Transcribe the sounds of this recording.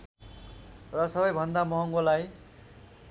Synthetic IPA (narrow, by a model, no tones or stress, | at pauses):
rʌsʌbʌjbʱʌnd̪amʌɦʌŋɡolaj